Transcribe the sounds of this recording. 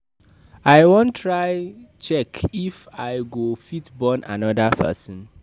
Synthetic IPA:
ajwõntʰːɹaɪt͡ʃɛkifaɪɡofitbɔnʔa̰nɔdapʰɛ̰sə̃n

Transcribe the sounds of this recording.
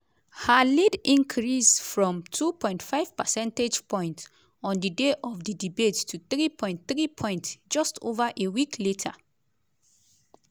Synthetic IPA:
halidĩŋkʰɹisfɹɔ̃mtʰupʰɔ̃ɪ̃ntfaɪv̥pəsɛ̃nted͡ʒpʰɔ̃j̃nt | ɔ̃ndideʔɔfdidibettʰuθɹipʰɔ̃ɪ̃ntθɹipʰɔ̃ɪ̃ntd͡ʒɔstʰovaʔewikʰletʰa

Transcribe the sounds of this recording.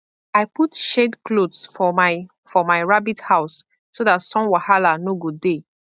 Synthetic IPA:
aɪputʃedklodsfɔ | fɔmaɪɹabithaʊs | sodatsɔ̃nwahalanoɡode

